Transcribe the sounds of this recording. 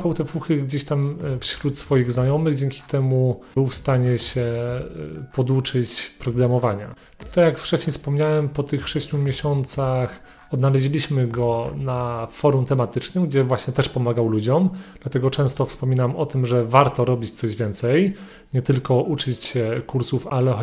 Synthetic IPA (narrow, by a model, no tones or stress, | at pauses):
pawt̪ɛfuxɘɡd͡ʑeɕt̪amfɕɾut̪sfɔjiɣznajɔmɘɣd͡ʑɛŋkʲi̥t̪ɛmubɘwfst̪aɲɛɕɛ | pɔd̪ut͡ʂɘt͡ɕpɾɔɡɾamɔvaɲa̰ | t̪akjakft͡ʂɛɕɲejfspɔmɲawɛmpɔt̪ɘxʂɛɕt͡ɕumʲjeɕɔnt̪sax | ɔd̪nalɛʑilʲiɕmɘɡɔnafɔɾumt̪ɛmat̪ɘt͡ʂnɘmɡd͡ʑɛvwaɕɲɛt̪ɛʂpɔmaɡawlud͡ʑɔmd̪̥lat̪ɛɡɔt͡ʂɛ̃w̃st̪ɔfspɔmʲinamɔt̪ɘmʐɛvaɾt̪ɔɾɔbʲit͡ɕt̪sɔʑvʲjɛnt̪sɛj | ɲɛt̪ɘlkɔʔut͡ʂɘt͡ɕɕɛkuɾsufalɛ